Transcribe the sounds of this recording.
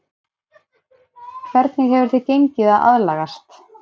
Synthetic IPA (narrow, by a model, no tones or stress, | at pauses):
kʰvɛɾt̪nɪɣɦɛvʏɾ̥θɪcejɲcɪðaða̰ðlaːɣast̪